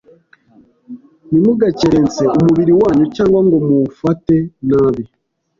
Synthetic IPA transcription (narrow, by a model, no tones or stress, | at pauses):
nimuɡaceɾe̞nt͡se̞umuβiɾiwaːɲucaːŋɡwaŋɡo̞mufate̞naːβi